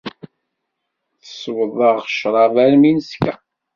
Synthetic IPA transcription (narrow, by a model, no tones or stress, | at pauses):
θəswəðˤəʁʃɾˤɑvæɾminəskæ